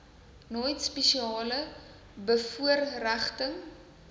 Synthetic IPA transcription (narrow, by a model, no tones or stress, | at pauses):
nɔjtspɛʃiɑːlə | bəfuərræχtəŋ